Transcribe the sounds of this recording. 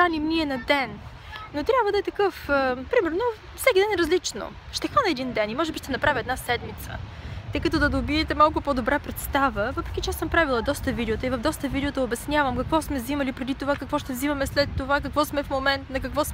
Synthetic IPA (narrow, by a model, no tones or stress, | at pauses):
animniɛnɐd̪ɛn | not̪ɾʲjabvəd̪ɐɛt̪ɐkɤfəpɾimɛɾno | fsɛkʲid̪ɛnɛɾɐzlit͡ʃno̰ | ʃt̪ɛxvanɛɛd̪ind̪ɛnimɔʒɛbiʃt̪ɛnɐpɾaviɛd̪nasɛd̪mit̪sə̰t̪ɤjkɐt̪ɔd̪ɐd̪obiɛt̪ɛmalˠkʊpod̪obɾapɾɛt̪st̪avəvɤpɾɛkʲit͡ʃɛasəmpɾavilˠɐd̪ɔst̪əvid̪ɛot̪əivɐvd̪ɔst̪əvid̪ɛot̪əobɛsnʲjavəmkɐkvɔsmɛzimɐlipɾɛd̪it̪ovakɐkvɔʃt̪ɛvzimɐmɛslɛt̪ːovakɐkvɔsmɛfmomɛnt̪nɐkɐkvɔs